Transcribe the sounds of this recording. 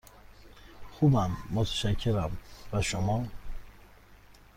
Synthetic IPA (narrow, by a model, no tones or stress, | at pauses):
xuːbæmːot̪ʰæ̥ʃæcʰːeɾæmvæʃomɒː